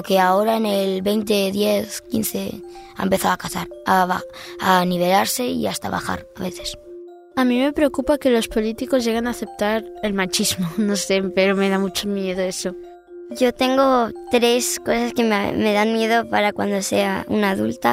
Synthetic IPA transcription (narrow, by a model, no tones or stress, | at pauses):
keao̞ɾaenelβe̞jnt̪eðje̞θkḭnθḛa̰empeθaakasa̰ɾaβaaniβ̞e̞laɾse̞ḭast̪aβa̰xa̰ɾaβe̞θe̞s | amĩme̞pɾeokupake̞lo̞spo̞lit̪iko̞zʝe̞ɣ̞enaːθe̞p̚t̪aɾelmat͡ʃizmonose̞peɾome̞ðamut͡ʃomjeðoeso̞ | ɟ͡ʝo̞t̪e̞ŋɡo̞t̪ɾe̞sko̞saskemme̞ðanmjeðopaɾakwa̰nd̪o̞se̞̰aṵnaðult̪a